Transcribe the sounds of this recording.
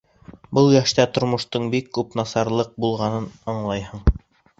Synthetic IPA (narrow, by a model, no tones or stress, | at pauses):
bɤlˠjæʃt̪æt̪ŏɾmŏʃt̪ɤɴbikːʉpnɑsɑɾlˠɤq̚bulˠʁɑnɤnɤ̆ɴlˠɑjɦɤɴ